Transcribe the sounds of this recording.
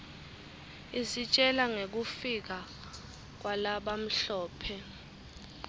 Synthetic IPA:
isit͡ʃʼɛlaŋek̬ufik̬a | k̬walaɓam̩ɬɔːpʰɛ

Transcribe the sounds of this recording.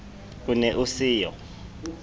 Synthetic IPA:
k̬unɛʔusiːjɔ̰

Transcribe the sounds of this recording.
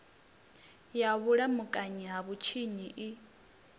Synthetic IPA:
jaβuɺamukʼaɲiɦaβut͡ʃʰiɲiʔi

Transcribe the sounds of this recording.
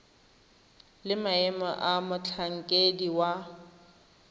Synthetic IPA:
lɪmaɛmaʔamʊt͡ɬʰaŋ̩kʼediwa

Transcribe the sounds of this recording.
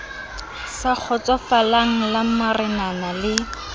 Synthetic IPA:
sak͡xʰɔt͡sɔfalaŋ̩lamarɪnanalɪ

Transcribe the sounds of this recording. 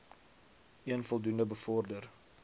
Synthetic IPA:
ʔiənfɔlˠdundəbəfɔrdər

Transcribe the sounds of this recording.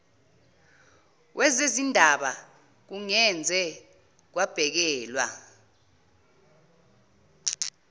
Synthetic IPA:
wʔɛzezindʱaɓa | k̬uŋɛnd͡zʱɛ | k̬wab̥ʱɛk̬ɛːlwa̰

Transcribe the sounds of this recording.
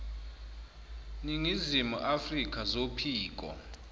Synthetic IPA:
niŋizimṵʔafrik̬ʼʰazopʰiːk̬ʼɔ̰

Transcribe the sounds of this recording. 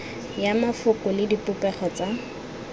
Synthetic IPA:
jamafʊkʊlɪdipʊpɛχɔt͡sa

